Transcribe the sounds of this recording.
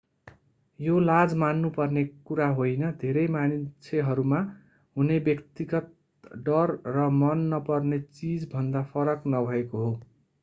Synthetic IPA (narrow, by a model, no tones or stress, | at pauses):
jolad͡zmanːupʌrnekuɾaɦojnʌd̪ʱeɾʌjmanit͡sʰeɦʌɾuma | ɦunebjʌkt̪iɡʌt̪̚ | ɖʌrːʌmʌnːʌpʌrnet͡sid͡zbʱʌnd̪apʰʌɾʌknʌbʱʌekoɦo